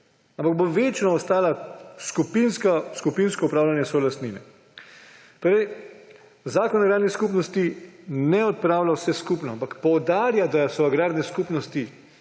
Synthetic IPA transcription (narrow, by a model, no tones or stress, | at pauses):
ãmpaɡ̚boʋeːt͡ʃnɔɔst̪aːlaskupinskaskupinskɔupɾaːwlanjɛsɔlast̪niːnɛ | t̪oːɾɛj | zaːkɔnaɡɾaːd̪nɛskuːpnɔst̪inɛɔt̪̚pɾaːwlawsɛskupnɔampakpɔwd̪aːɾjad̪asɔaɡɾaːɾnɛskuːpnɔst̪i